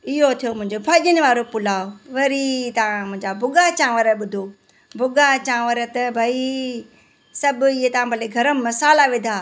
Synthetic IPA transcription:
ɪɦot̪ʰijomʊ̃ɦɪ̃ɲd͡ʑobʱaːʄɪnɪ̆ʋaːɾopʊlaːoʋɐɾit̪ɐʋ̤ãmʊ̃ɦɪ̃ɲd͡ʑabʱʊɡat͡ɕãːʋəɾəɓʊd̪ʱo | bʱʊɡat͡ɕãːʋɐɾət̪ɐbʱaːi | sɐbʊɪɦet̪ɐʋ̤ãbʱɐleɡʱɐɾəmmɐsaːlaʋɪd̪ʱaː

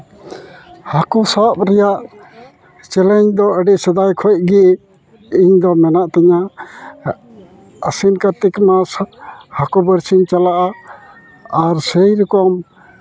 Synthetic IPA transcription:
hakɔsap̚ɾɛjaʔ | t͡ʃɛlɛɲd̪ɔəɖɛʔsəd̪ajkʰɔjc̚ɡiʔ | iɲd̪ɔmɛnaʔt̪ɛɲa | əsinkəɾt̪ikmashakɔbəɾsiɲt͡ʃalaʔaː | ɾsɛjɾikɔm

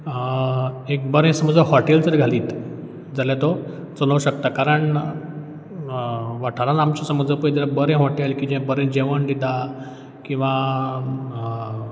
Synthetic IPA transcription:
ekbəɾẽsəməd͡zəɦɔʈelt͡səɾiɡʱaliːt̪ | d͡zaljat̪ɔ | t͡sələwɕək̚t̪akaɾəɳ | ʋaʈʰaɾanamt͡ɕasəməd͡zəpəjd̪iɾabəɾẽɦɔʈelkid͡ʑɛ̃bəɾẽnd͡ʑeʋəɳd̪id̪a | kĩw̃ʋa

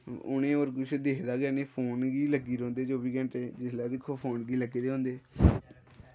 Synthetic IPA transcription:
ʊ̰nẽːoːɾkʊt͡ʃʰd̪eːkʰd̪aːɡɛːneːpʰoːnɡiːləɡiːɾõːnd̪eːd͡ʒoːbiːɡə̃ɳʈeːd͡ʒɪslaːd̪ɪkʰːoːpʰoːnɡiːləɡeːd̪eːɦõːnd̪eː

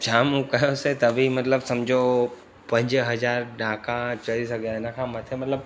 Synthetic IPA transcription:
d͡ʑʰaːmũkɐjoset̪ɐbʱimɐt̪ləbsɐmd͡ʑʱo | pɐ̃ɲd͡ʑɦɐzaːɾɖãːkãt͡ɕɐɽisɐɡʱaɪnə̆kʰãːmɐt̪ʰemɐt̪ləb

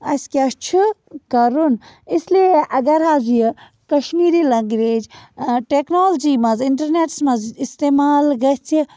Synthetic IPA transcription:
ɐskʲast͡ʃʰi | kɐɾun | islieʔɐɡɐɾɦaːzijə | kɐʃmiːɾiːlɐŋɡɾeːd͡ʒʈeːknoːld͡ʒiːmɐzɪɳʈɐɾneːʈsmɐzist̪eːmaːlɡɐt͡sʰi

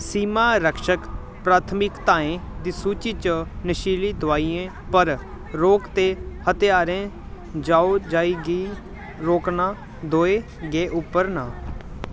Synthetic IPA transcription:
siːmaːɾəkʃək | pɾaːt̪ʰəmɪkt̪aːẽːd̪iːsuːt͡ʃiːt͡ʃənəʃiːliːd̪ʊaːiːẽː | pəɾ | ɾoːkt̪eːhət̪ɪjaːɾẽː | d͡ʒaːoːd͡ʒaːiːɡiː | ɾoːknaː | d̪oːeː | ɡeːʔʊpːəɾnãː

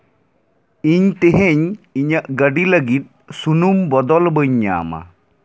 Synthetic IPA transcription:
iɲt̪eɦeɲiɲəʔɡəɖiləɡit̪̚sunumbɔd̪ɔlbəɲːa̰ːma̰

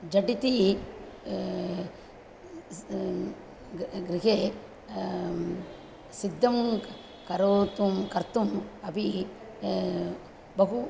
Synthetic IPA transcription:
d͡ʒɐʈit̪i | ɡɾiɦe | sid̪ːɐm | kɐɾoːt̪umkɐɾt̪umɐbʱi | bɐɦu

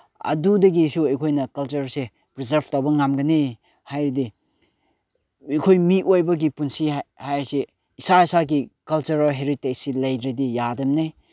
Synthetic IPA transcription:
ɐ̰dudɐɡisuɐjkʰojnɐkɐlt͡ʃɐɾse | pɾizɐɾbtawbɐŋamɡɐne | hajɾidi | jkʰojmitojbɐɡipunsihajɾise | isaisaɡikɐlt͡ʃuɾɦeɾitesilɐjɾidijadɐmnaj

